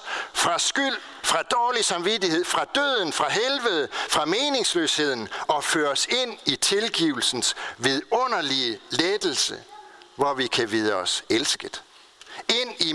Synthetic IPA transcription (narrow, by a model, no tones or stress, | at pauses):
fʁɑ̈sɡ̥yl̰ | fʁɑ̈d̥ɒːlisɑ̈mʋidihe̝ð̰ˠfʁɑ̈d̥øð̰ˠn̩fʁɑ̈ɦelʋəð̞̩ˠfʁɑ̈me̝ːne̝ŋsløːshe̝ð̞̰ˠn̩ɒ̽føːɐse̝n̰it͡sʰe̝lɡ̥ḭːʊl̩sn̩sʋeðˠɔ̽n̰ɐliəled̥l̩səʋɒʋikʰæʋiðˠəɒ̽selsɡ̥əð̥ˠ | e̝n̰i